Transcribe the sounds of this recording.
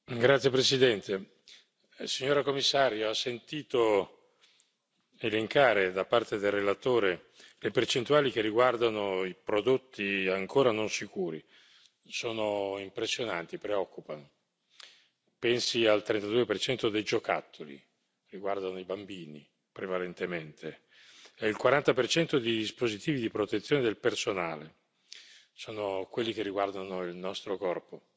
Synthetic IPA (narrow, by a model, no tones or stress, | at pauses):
ɡɾat̪sːjepɾesid̪ɛnt̪e | siɲːoːɾakomːisːaːɾjoasːent̪iːt̪o | eleŋkaːɾed̪apːart̪ed̪elrelat̪oːɾe | lepert͡ʃent̪uaːlik̟erːiɡward̪anoipɾod̪ot̪ːiaŋkoːɾanonsikuːɾḭ | soːnoimpɾesːjonant̪ipɾeɔkːupano | pɛnsialt̪ɾent̪ad̪uepert͡ʃɛnt̪od̪ejd͡ʒoka̰t̪ʰːolḭ | riɡward̪anoibambiːni | pɾevalent̪ement̪ʰe | ɛilkwaɾant̪apert͡ʃɛnt̪od̪ed̪ispozit̪iːvid̪ipɾot̪et̪sːjoned̪elpersonaːle | soːnokwelːik̟erːiɡward̪anoilnɔst̪ɾokɔrpo